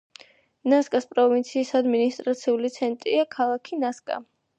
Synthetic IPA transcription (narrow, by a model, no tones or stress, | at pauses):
naskʼaspʼɾɔvint̪sʰiːsad̪minist̪ʼɾat̪sʰiulit̪sʰɛnt̪ʼɾiakʰalˠakʰinaskʼa̰